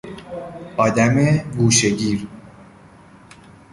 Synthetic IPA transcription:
ɒːd̪æmeɡuːʃeɟiːɾ

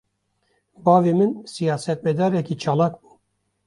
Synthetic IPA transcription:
bɑːviːmɨnsijɑːsɛt̪mɛd̪ɑːɾɛkiːt͡ʃʰɑːlaːkbuː

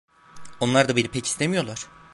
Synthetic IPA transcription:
o̞nlˠaɾd̪abiɾipʰɛcʰi̥st̪ʰemijo̞lˠaɾ̥

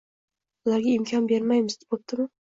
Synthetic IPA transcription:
ʊlaɾɡʲaɪmkʲʰɒnbe̞ɾmajmɪzd̪ɪ̥bot̪̚d̪ɪmɪ

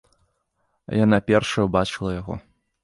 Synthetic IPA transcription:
janapʲɛrʂɐjɐbat͡ʂɨlˠɐjaɣɔ̰

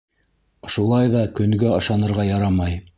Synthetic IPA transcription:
ŏʃulˠɑjðɑkɵ̆ŋɡɘɤ̆ʃɑnɤ̆ɾʁɑjɑɾɑmɑj

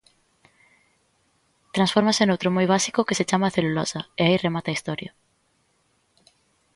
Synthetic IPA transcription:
t̪ɾãnsfɔɾmasenowt̪ɾomojβasi̥kokeset͡ʃamaθelulosɐeairemat̪aːist̪ɔɾja

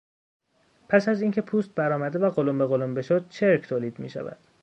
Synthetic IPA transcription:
pʰæsæziːŋcʰe̞pʰuːst̪̚bæɾɒːmæd̪evæɣolombe̞ɣo̞lombe̞ʃod̪̥̚t͡ʃʰeɾcʰt̪ʰoːliːd̪mḭːʃæ̰væ̰d̪̥

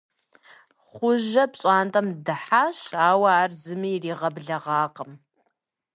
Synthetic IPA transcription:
χʷʊʒɐpɕʼaːntʼɐmdɨħaʃaːwɐaːrzɨmiːriːʁɐbɮɐʁɑːqʼəm

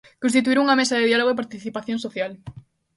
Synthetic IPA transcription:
kõnst̪it̪̬uiɾuŋɐmesaðɪðialoɣoepaɾt̪iθipaθjõnsoθjal

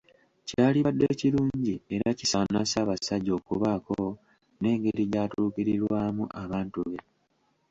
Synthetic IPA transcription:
caːliβadːeːciɾuːɲɟie̞ɾacisanasaːβasaɟo̞ːkuβaːko | ne̞ːŋɡe̞ɾiɟaːtuːkiɾiɾwaːmuʔaβaːntuβe

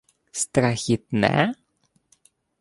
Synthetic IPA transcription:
st̪ɾaçɪt̪̚nɛ̰

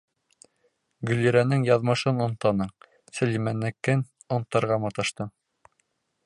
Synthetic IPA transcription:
ɡɵliɾænɘŋjɑðmɤʃɤnŏnt̪ɑnɤɴ | sɵ̆limænːɘ̆kːɘn | ŏnt̪ːɑ̆ɾʁɑmɑt̪ɑʃt̪ɤ

